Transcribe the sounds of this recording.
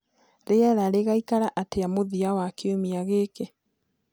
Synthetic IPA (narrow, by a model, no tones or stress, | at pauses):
ɾeaɾaɾeɣaikaɾaʔateamoðiawakeomiaɣeːke